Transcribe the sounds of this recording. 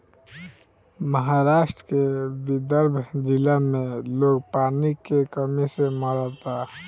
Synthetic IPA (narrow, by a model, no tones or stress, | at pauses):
məɦaɾaːʃʈɾəkebid̪əɾbʱd͡ʒɪlamẽloːɡpaːnikekəmiseməɾət̪a